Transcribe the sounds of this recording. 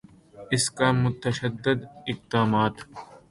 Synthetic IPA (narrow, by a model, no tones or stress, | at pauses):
ɪskamʊt̪ɐʃɐd̪ːɪd̪ɪq̚d̪aːmaːt̪